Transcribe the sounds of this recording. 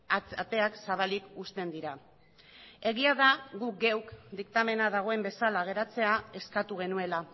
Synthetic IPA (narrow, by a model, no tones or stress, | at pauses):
at̪e̞aksaβ̞alikust̪e̞nd̪iɾa | e̞ɣiaðaɣuk̚ɡewkd̪ikt̪ame̞nað̞aɣ̞o̞e̞mbe̞salaɣ̞e̞ɾat͡se̞ae̞skat̪uɣ̞e̞nue̞la